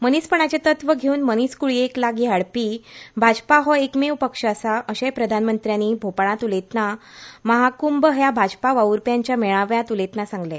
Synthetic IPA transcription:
mənispəɳ̃at͡ɕet̪ət̪ʋəɡʱeuːnməniskuɭieklaɡiːɦaɽpiːbʱad͡ʑpaɦɔekmewpəkʂəəsaʔəɕepɾəd̪ʱanmənt̪ɾjaniːbʱopaɭ̃ãt̪ulet̪na | məɦakumbəɦjabʱad͡ʑpaʋauɾpjaɲt͡ɕjameɭãʋjãt̪ulet̪nasãŋɡle

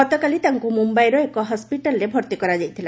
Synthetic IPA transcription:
ɔt̪ɔkalit̪aŋkumumbajɾɔekɔɦɔspiʈalɔɾebʱɔɾt̪ikɔɾad͡ʒajt̪ʰila

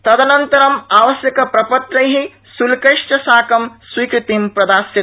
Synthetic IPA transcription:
t̪ɐd̪ɐnɐnt̪ɐɾɐmaːʋɐsjɐkɐpɾɐpɐt̪ɾɐjɦi | sulkɐʂʈɐsaːkɐmswiːkɾut̪impɾɐd̪aːsji

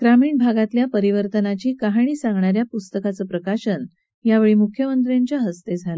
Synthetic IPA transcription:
ɡ̥ɾamiːɳbʱaɡat̪ljapəɾiʋəɾt̪ənat͡ɕiːkaɦaɳ̃iːsãŋɡɳaɾjapust̪əkat͡səːpɾəkaɕən | jaʋeɭiːmukʰːjəmənt̪ɾjaɲt͡ɕjaɦəst̪ed͡zʱalə

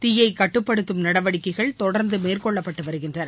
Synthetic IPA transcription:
t̪ɪjɐɪkɐʈːɯpːɐɽɯt̪ːɯmnɐɽɐʋɐɽɪkːɐɪɣɐɭt̪ɔɽɐɾnd̪ɯmeːrkɔɭːɐpːɐʈːɯʋɐɾɯɣɪndrɐɾ

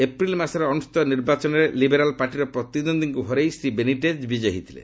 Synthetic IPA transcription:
epɾilmasɔɾɔɔnust̪ɔniɾbat͡ʃɔnɔɾelibeɾalpaʈiɾɔpɾɔt̪id̪ɔnd̪iŋkuɦɔɾejsɾibeniʈed͡ʒbid͡ʒɔɦit̪ʰilḛ

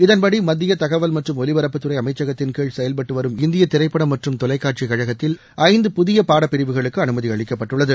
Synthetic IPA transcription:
ɪðɐnpɐɽimɐd̪ːɪjɐt̪ɐɣɐʋɐlmɐʈrɯmɔlɪʋɐɾɐpːɯt̪ːɯɾɐɪɐmɐɪt͡ʃːɐɣɐt̪ːɪnkeːɻsɛjɐlpɐʈːɯʋɐɾɯmɪnd̪ɪjɐt̪ːɪɾɐɪpːɐɽɐmːɐʈrɯmt̪ɔlɐɪkːaːʈ̚t͡ʃikɐɻɐɣɐt̪ːɪl | ɐɪnd̪ɯpʊðɪjɐpaːɽɐpːɪɾɪʋɯɣɐɭɯkːɯɐnɯmɐðiɐɭɪkːɐpːɐʈːɯɭːɐðɯ

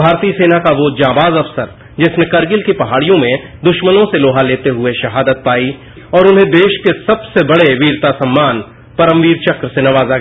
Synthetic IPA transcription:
bʱaːɾt̪iːseːnakaʋod͡ʒãːbaːzɐfsəɾ | d͡ʒɪsnekɐɾɡɪlkipɐɦaːɽijõmẽ | d̪ʊʃmənõseloːɦaleːt̪eɦʊeʃɐɦaːd̪ət̪̚paːi | ɔːɾʊnɦẽd̪eːʃkesɐbsebɐɽeʋiːɾt̪asɐmːaːn | pɐɾə̃mʋiːɾt͡ʃɐkɾəsenɐʋaːzaɡa

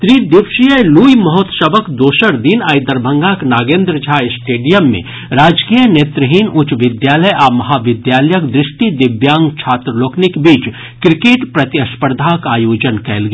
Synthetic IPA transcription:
t̪ɾiːd̪ɪʋʃijəluːjmɐɦot̪səbəkd̪oːʃəɾd̪iːnaːjd̪əɾbʱə̃ŋɡaːknaːɡẽːnd̪ɾəd͡ʒʱaːsʈeːɖijəmːḛ̃ | ɾaːd͡ʒkiːjəneːt̪ɾəɦiːnʊt͡ʃʋɪd̪jaːləjʔaːmɐɦaːʋɪd̪jaːləjəkd̪ɾɪʃʈid̪ɪbjãːŋɡt͡ʃʰaːt̪ɾəloːknɪkbiːt͡ʃ | kɾɪkeːʈpɾɐt̪jɐspəɾd̪ʱakaːjoːd͡ʒənkɛɦlɡ

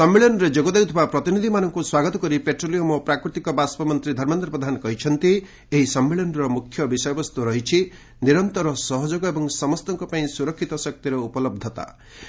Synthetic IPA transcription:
sɔmːeɭjɔnɔɾed͡ʒoɡɔd̪ejwt̪ʰibapɾɔt̪inid̪ʱimanɔŋkuswaɡɔt̪ɔkɔɾipeʈɾolijomɔpɾakɾit̪ikɔbaspɔmɔnt̪ɾid̪ʱɔɾmɔnt̪ɾɔpɾɔd̪ʱanɔkɔɦit͡ʃʰɔnt̪i | eɦisɔmːeɭɔnɔɾɔmukʰːjɔbisɔjɔbɔst̪uɾɔɦit͡ʃʰi | niɾɔnt̪ɔɾɔsɔɦɔd͡ʒoɡɔebɔŋsɔmɔst̪ɔŋkɔpaĩsuɾɔkʰːit̪ɔsɔk̚t̪iɾɔupɔlɔb̚d̪ʱɔt̪a̰

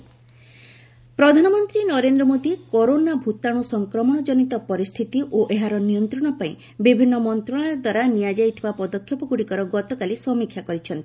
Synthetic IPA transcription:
pɾɔd̪ʱanɔmɔnt̪ɾinɔɾend̪ɾɔmod̪ikɔɾonabʱut̪aɽ̃usɔŋkɾɔmɔɽ̃ɔd͡ʒɔnit̪ɔpɔɾist̪ʰit̪iʔoʔeɦaɾɔnijɔnt̪ɾɔɽ̃ɔpaĩ | bibʱinːɔmɔnt̪ɾɔɽ̃ad̪waɾanijad͡ʒajt̪ʰibapɔd̪ɔkʰːjɔpɔɡuɽikɔɾɔɡɔt̪ɔkalisɔmikʰːjakɔɾit͡ʃʰɔnt̪i̥

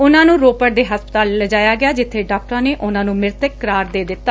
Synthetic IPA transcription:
ʊnãːnũːɾoːpəɽd̪eːɦəspət̪aːlːəd͡ʒaːjaːɡɪjaːd͡ʒɪt̪ʰːeːɖaːk̚ʈɾãːneːʔʊnãːnũːmɪɾt̪əkəɾaːɾd̪eːd̪ɪt̪ːaː

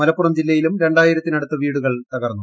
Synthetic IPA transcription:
ɐlɐpːurɐmd͡ʑilːɐjilumɾe̞ɳɖaːjiɾɐt̪ːinɐɽut̪ːɐʋiːɽuɣɐɭt̪ɐɣɐrnːu

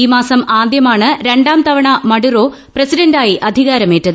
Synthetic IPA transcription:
iːmaːsɐmaːd̪jɐmaːɳɨɾe̞ɳɖaːmt̪ɐʋɐɳɐmɐɽuro̞ː | prɐsiɖɐndaːjiʔɐd̪ʱiɣaːɾɐmeːtːɐðɨ

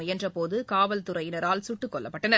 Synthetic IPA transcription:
ɛndrɐpoːðɯkaːʋɐlt̪ʊɾɐjɪnɐɾaːlsʊʈːɯkːɔɭːɐ̰pːɐʈːɐnːɐ

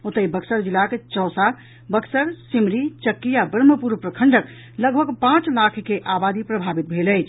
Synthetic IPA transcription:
ot̪əibəksəɾd͡ʒilːaket͡ʃɔːsa | bəksəɾsimɾit͡ʃəkːijabɾəməpuɾpɾəkʰəɳɖək | ləɡbʱəɡpãt͡ʃlakʰkeʔabad̪ipɾəbʱabit̪̚bʱeləjt͡ʃʰ

